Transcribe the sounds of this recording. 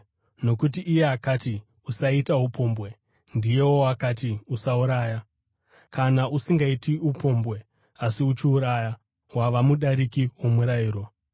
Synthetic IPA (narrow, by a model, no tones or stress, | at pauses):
no̞kutiʔːje̞akati | usaitaupo̞ːmbwe̞ | ndije̞woakatiusauɾaːja | kanaʔusiŋɡaitiupʰo̞ːmbwe̞ | asiut͡ʃiuɾaːja | waʋamuɗaɾikiwo̞muɾaiːɾo̞